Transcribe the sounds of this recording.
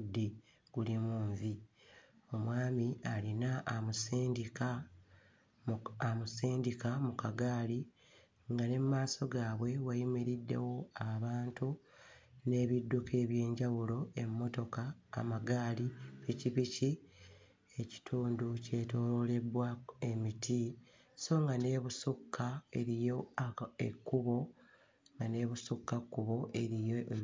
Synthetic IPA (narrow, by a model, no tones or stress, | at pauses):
dːi | ɡ̥ulimuːɱvi | o̞mwaːmialinaʔːmusiːndika | amusiːndikamukaɡaːli | ŋɡane̞mumaːso̞ɡaːβwe̞wajimiɾidːe̞̰wo̞aβaːntu | ne̞ːβidːukʰe̞ːβje̞ːɲɟawulo̞e̞mːo̞to̞ka̰ːmaɡaːlipiciβici | e̞ci̥tʰuːnduce̞to̞ːɾole̞βwae̞mitʰi | so̞ŋɡane̞ːβusukːae̞ɾijo̞ḛkːuβo̞ | ŋɡane̞ːβusukːakːuβo̞ʔeɾijo